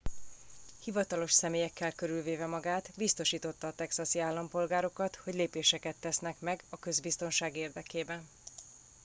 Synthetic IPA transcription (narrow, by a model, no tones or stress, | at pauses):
hivɒt̪ɒlo̞ʃsɛmeːjɛkːɛlkøɾylveːvɛmɒɡaːt̪bist̪o̞ʃiːt̪o̞t̪ːɒːt̪ɛksɒsiaːlːɒmpo̞lɡaːɾo̞kɒt̪ho̞ɟleːpeːʃɛkɛt̪ːɛsnɛkmɛɡɒkø̞zbist̪o̞nʃaːɡeːrd̪ɛkeːbɛn